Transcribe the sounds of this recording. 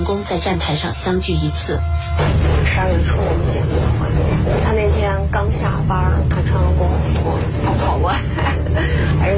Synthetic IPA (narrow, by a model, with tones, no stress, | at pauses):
ŋkʊ˥ŋt͡sa˥˧ɪʈ͡ʂa˥˩nt̪ʰa˧˥ɪʂɑ̰˥˩ŋɕjɑ˥ŋt͡ɕy˥˩i˧˥t͡sʰɹ̩˥˩˥ | ʂa˥˧we˥˩ʈ͡ʂʰu˥wɔ˨˩mə˧˥t͡ɕjɛ˨˩ni˥˩d̪ə˧xwa̰˧˥nmjɛ̰˥˩t̪ʰa˥ne˥˩ɪt̪ʰjɛ˥nkɑ˥ŋɕʰja˨˩pa˥ə˨˩k̪ʰa˥˩ʈ͡ʂʰɑ˥ŋlə˧kʊ˥ŋɔ˧˩t͡sɹi˧˥xwɔ̰˥˩ | pɑ˥xʰɑ˥˩ʊkwa˥˩ | a˧˥